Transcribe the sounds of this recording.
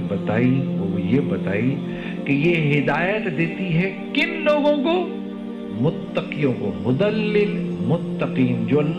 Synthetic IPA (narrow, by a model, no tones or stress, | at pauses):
bɐt̪aːiɦojebɐt̪aːi | kejeɦɪd̪aːjət̪d̪eːt̪iɦɛkɪnloːɡõko | mʊt̪ːɐqijõkomʊd̪əlːɪlmʊt̪ːəqiːnd͡ʒoːɐlː